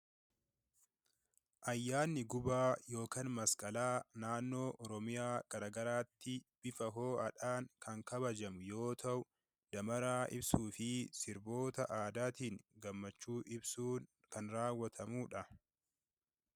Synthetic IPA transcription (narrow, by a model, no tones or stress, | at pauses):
ʔɐjːaːnːɪɡʊbaːjo̞ːkaːnmɐskʼɐlaːnaːnːo̞ːʔɔɾɔmɪjaːɡ̥ɐɾaːɡɐɾaːt̪ːɪb̥ɪfɐɦo̞ːɐᶑaːŋkʰɐŋkɐbɐd͡ʒɐmʊjo̞ːt̪ʰɐʔʊ | d̪̥ɐmɐɾaːʔɪ̰bsuːfɪsɪɾbo̞ːt̪ɐʔaːd̪aːt̪iːŋɡɐmːɐt͡ʃːuːʔɪbsuːn | kɐnɾaːwːɐt̪ʰɐmuːᶑɐ